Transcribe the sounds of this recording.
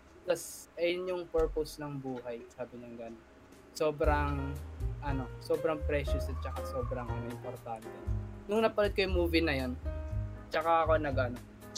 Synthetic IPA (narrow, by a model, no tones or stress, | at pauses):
t̪ɐsʔɛjʊnjʊŋpɛɹpowsnɐŋbuːhɐjsaːbɪɲɐŋɡɐnon | so̞ːbɾɐŋʔɐno̞soːbɾɐŋpɾɛʃjʊsɐt̪̚t͡ʃɐkaso̞ːbɾɐŋɐnoʔɪmpoɾt̪ant̪ɛnʊŋnɐpɐlod̪̚kɐjʊmuːvɪnɐjont͡ʃɐkaɐko̞nɐɡʔɐno